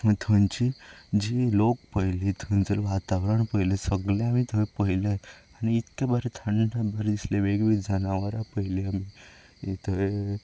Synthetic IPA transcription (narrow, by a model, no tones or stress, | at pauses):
ət̪ʰənt͡ɕid͡ʑilokpəjlit̪ʰənd͡zəlʋat̪aʋɾəɳpəjlesəɡlẽamit̪ʰəepəɦileañiːt̪kabəɾet̪ʰəɳɖabəɾd̪isleʋeɡʋid͡zənaʋəɾapəɦileami | t̪əe